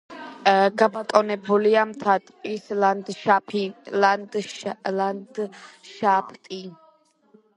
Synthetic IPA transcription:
ɡabat̪ʼɔnɛbuliamt̪ʰat̪ʼkʼisland̪ʃapʰiland̪land̪ʃapʰt̪ʼi

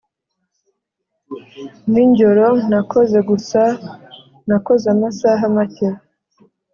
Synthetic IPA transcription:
niɲɟoɾonakoze̞ɡusa | nakozamasaɦamaceɾo

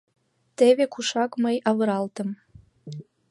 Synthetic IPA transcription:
t̪eβekuʃɑkməjɑβɤ̆ɾɑlt̪ə̆m

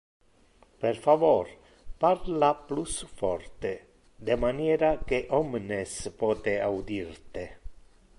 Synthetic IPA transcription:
peɾfavɔɾ | paɾlaplusfɔ̰rt̪e | d̪emanjɛːɾakeʔɔmnespɔːt̪eawd̪iɾt̪e

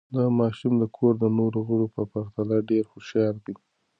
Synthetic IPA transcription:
d̪əmɑʃumd̪əkʰoɾd̪ənoɾoɣəɽopəpaɾt̪alaɖeɾxʊʃɑɾd̪i

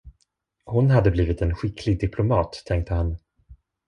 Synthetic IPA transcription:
hʊnɦad̪ːəbliːvɪt̪ɛnɧɪkʰlɪɡ̚d̪ɪpʰlʊmɑːt̪ʰːɛŋk̚t̪ʰəhan

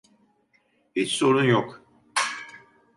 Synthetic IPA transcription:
bit͡ʃsoɾunjok

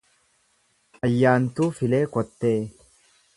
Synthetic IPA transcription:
ɐjːaːnt̪uːfɪle̞ːkɔt̪ːe̞ː

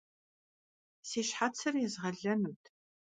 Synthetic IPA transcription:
siːɕħat͡sʰɨrjɛzʁɐɮɐnuwtʰ

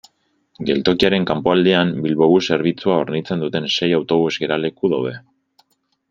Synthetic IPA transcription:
ɡe̞̰lt̪o̞kiaɾe̞ŋkampo̞ald̪iambilβo̞βuse̞ɾβ̞it͡suao̞ɾnit͡se̞nd̪ut̪e̞nse̞jawt̪o̞β̞uzɡe̞ɾale̞kuðawðe̞

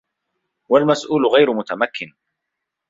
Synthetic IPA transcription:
walmasʔuːlʊɣajɾʊmʊt̪amakʰːɪn

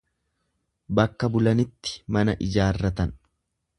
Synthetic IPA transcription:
bɐkːɐbʊlɐnɪt̪ːɪ̥mɐnɐʔɪd͡ʒaːrːɐt̪ɐn

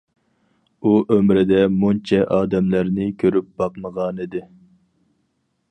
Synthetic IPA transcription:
uʔømɾɪd̪ɛmunt͡ʃʰɛʔɑːd̪ɛmlæɾnɪkʲʰøɾyp̚b̥ɑqməʁɑːnid̪ɪ

